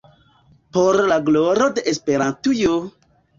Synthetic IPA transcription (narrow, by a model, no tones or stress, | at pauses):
poɾlaɡloɾod̪eʔespeɾãntujo